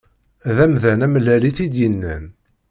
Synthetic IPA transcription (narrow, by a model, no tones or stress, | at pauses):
ðæmðænæmlæliθid̪jənːæ̰n